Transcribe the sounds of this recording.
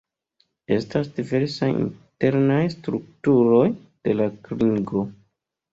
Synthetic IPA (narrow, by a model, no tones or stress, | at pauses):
e̞̰stasdive̞ɾsajḭnte̞ɾnajstɾuk̚tuɾo̞j | d̥e̞lakɾiŋɡo̞